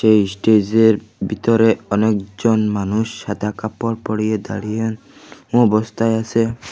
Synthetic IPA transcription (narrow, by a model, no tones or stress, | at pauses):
ʃesʈed͡ʑeɾbit̪ɔɾeɔnek̚d͡ʒɔnmanuʃːad̪ʱakapɔɾpɔɽijed̪a̰ɽien | ũɔbɔst̪ʰaeasʰe